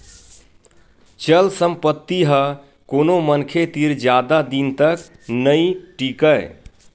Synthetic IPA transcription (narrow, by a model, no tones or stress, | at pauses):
t͡ʃəlsəmpət̪ːiɦə | konomənkʰet̪iɾd͡ʒjad̪ad̪int̪ək | nəĩʈikəɪ